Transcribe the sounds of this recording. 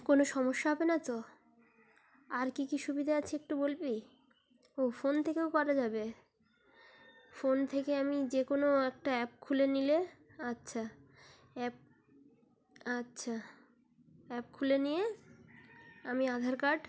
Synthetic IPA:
konoʃɔmoʃːaɦɔbenat͡ɕo | aɾkikiʃubid̪ʱaat͡ɕʰeek̚ʈubolbi | ofont̪ʰekeokɔɾad͡ʑabe | font̪ʰekeamid͡ʑekonoɛk̚ʈaɛp̚kʰulenileatːɕʰa | ɛp̚ | atːɕʰa | ɛpkʰulenije | amiad̪ʱaɾkaɖ

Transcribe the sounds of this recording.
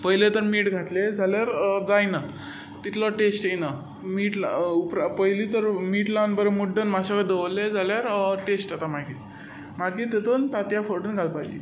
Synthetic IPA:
pəɦjlet̪əɾmiːʈɡʱat̪led͡zʱaljaɾd͡zajna | t̪it̪ʰlɔʈesʈjena | miːʈlaupɾapəjlit̪əɾmiːʈlanbəɾemuɖənmaɕakəd̪əʋled͡zaljaɾʈesʈat̪amaɡi | maɡit̪et̪ont̪at̪jafoʈunɡʱalpajd͡ʑḭ

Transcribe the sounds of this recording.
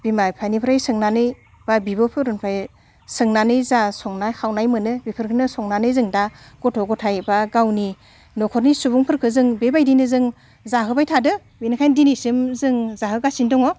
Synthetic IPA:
b̥imajpʰajnipʰɾajsɯŋnanɯj | babibɯpʰɯɾunpʰaj | sɯŋnanɯjzasɔŋnajkʰawnajmɯnɯbipʰɯɾkʰɯnɯsɔŋnanɯjzɯŋda | ɡ̥ɔtʰɔɡɔtʰajbaɡawni | nɔkʰɔɾnisubuŋpʰɯɾkʰɯzɯŋbebajdinɯzɯŋ | zaɦɯbajtʰadɯ | binɯkʰajndinisɯmzɯŋzaɦɯɡasindɔŋɔ

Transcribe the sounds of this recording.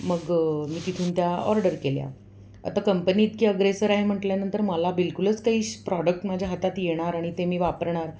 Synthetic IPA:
məɡmiːt̪it̪ʰuːnt̪jaɔ̰ɾɖəɾkelja̰ | ə̰t̪akəmpəniːt̪kiːəɡɾesəɾaɦem̤əʈljanənt̪əɾməlabilkulət͡skaɦiːɕpɾɔɽək̚ʈmad͡ʑʱjaɦət̪at̪jeɽ̃aɾaɽ̃it̪emiːʋapəɾɳ̃aɾ

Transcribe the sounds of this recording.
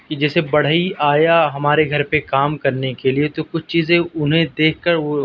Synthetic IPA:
kid͡ʒɛːsebɐɽ̤iʔaːjaɦɐmaːɾeɡʱɐɾpekaːmkɐɾnekeliet̪okʊt͡ʃʰt͡ʃiːzẽʊnɦẽd̪eːkʰːəɾo

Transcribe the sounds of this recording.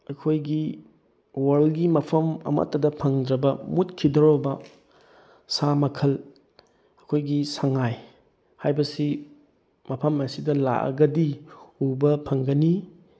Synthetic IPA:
ɐkʰojɡi | wɐɾlɡimɐpʰɐmɐ̰mɐ̰tːɐdɐpʰɐŋdɾɐbɐmutkʰidɐɾobɐ | samɐkʰɐl | ɐkʰojɡisaŋaj | hajbɐsi | mɐpʰɐmɐsidɐla̰ʔɐ̰ɡɐdiubɐpʰɐŋɡɐni

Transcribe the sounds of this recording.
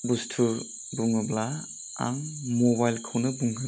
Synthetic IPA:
bustʰu | buŋɯbla | a̰ŋmɔbajlkʰawnɯbuŋɡɯ

